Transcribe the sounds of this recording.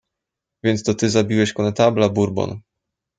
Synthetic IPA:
vʲjɛnt̪st̪ɔt̪ɘzabʲiwɛɕkɔnɛt̪ablabuɾbɔ̰n

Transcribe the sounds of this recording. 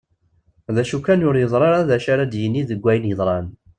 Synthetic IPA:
ðæʃukːænjʊɾjəzˤɾˤɑɾˤaðæʃaɾad̪jənːiðəɡʷːæjənjəðˤɾˤɑn

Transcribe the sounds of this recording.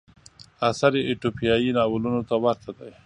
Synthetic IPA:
asaɾeʔːʈopijɑjinɑwʊlunot̪awaɾt̪ʰad̪aj

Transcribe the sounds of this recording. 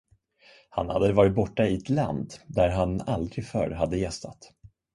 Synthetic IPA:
ha̰nhad̪ːəvɑːɾɪt̪̚bɔʈːaɪɛt̪la̰nd̪d̪æɾɦanald̪ɾɪɡfœ̰ɾɦad̪ːəjɛst̪ʰa̰t̪

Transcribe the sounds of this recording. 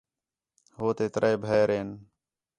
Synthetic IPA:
ɦoːt̪eːt̪ɾʔaːjbʱeːɾeːn

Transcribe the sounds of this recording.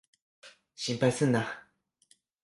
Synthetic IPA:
ɕimpasəna

